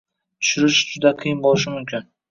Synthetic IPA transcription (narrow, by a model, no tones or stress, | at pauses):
t̪ʰʊ̥ʃʊɾɪʃd͡ʒʊd̪aqʰɨjɪnbɒlˠɪʃ̬ɪmʊmkʲʰɪn